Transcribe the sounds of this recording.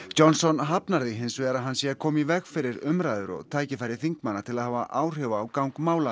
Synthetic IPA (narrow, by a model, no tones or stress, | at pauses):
t͡ɕɔnsɔnɦapnaɾðɪɦɪnsvɛɾaðɦansjɛkʰɔːmivɛɣfɪɾɪɾʏmɾaːjðʏɾɔ̰ɣt̪ʰaːjcɪfaɾɪθiŋkmanːat̪ʰɪlaðhaːvaʔaːwr̥hʏvaːwkawŋkmaːwla